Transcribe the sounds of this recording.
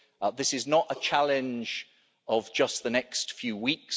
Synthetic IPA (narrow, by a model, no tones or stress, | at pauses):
ðɪsɪznətət͡ʃʰalɪ̃nd͡ʒ | əvd͡ʒʌsðənɛkstfjʉːwiˑks